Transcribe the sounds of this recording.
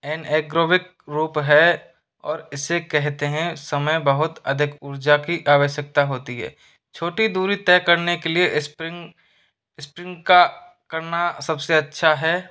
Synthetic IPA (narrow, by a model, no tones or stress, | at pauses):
ɛːneːɡɾoːʋɪk̚ | ɾuːpɦɛ | ɔːɾɪsːekɛɦt̪eɦɛ̃sɐməjbɐɦʊt̪ɐd̪ʱɪkʊɾd͡ʒakiʔaːʋəʃjək̚t̪aɦoːt̪iɦɛ̰ː | t͡ʃʰoːʈid̪uːɾit̪ɛːkɐɾnekeliespɪ | spɾɪ̃ŋɡka | kɐɾnasɐbseɐtːʃʰaɦɛː